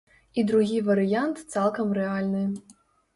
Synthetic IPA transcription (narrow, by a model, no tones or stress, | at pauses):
id̪ɾuɣʲivɐɾɨjant̪t̪salˠkɐmɾɛalʲnɨ